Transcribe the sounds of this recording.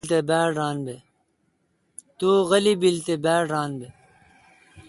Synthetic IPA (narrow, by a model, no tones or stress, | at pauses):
t̪ebæːɖaːnbe | t̪uːɣɐlibilt̪ebæːaːnbe